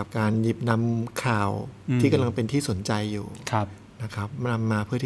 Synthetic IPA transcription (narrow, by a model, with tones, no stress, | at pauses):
p̚kaː˧nji˦˥p̚na˦˥mkʰaː˨˩wt̪ʰiː˥˩ka˧mla˧ŋpe˧nt̪ʰiː˥˩so˨˩˦nt͡ɕa˧jːṵː˨˩kʰa˦˥p̚ | na˦˥kʰɾa˦˥p̚na˧mːaː˧pʰɯ˥˩ɐt̪iː˥